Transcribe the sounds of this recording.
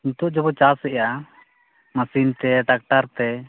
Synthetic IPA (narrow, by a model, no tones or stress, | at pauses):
int̪ɔʔd͡ʒɔbɔt͡ʃasɛja | masint̪ɛʈak̚ʈaɾt̪ɛ